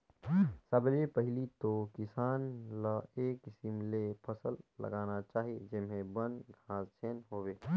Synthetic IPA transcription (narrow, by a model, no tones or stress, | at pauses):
səblepəɦɪlit̪okɪsaːnlaeːksɪmlepʰəsəlːə̰ɡaːnat͡ʃaːɦid͡ʒɪmẽbənɡʱãːst͡ʃʰeːnɦoːʋeː